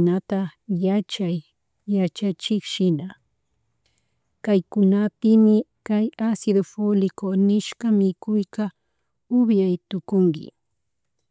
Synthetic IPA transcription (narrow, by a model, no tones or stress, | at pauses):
nat̪ajat͡ʃajː | at͡ʃat͡ʃɪkʃɪna | kajkʊnapɪmɪkajasɪd̪ofolɪkonɪʃkamɪkʊjka | ʊbjajt̪ʊkʊŋɡɪ̰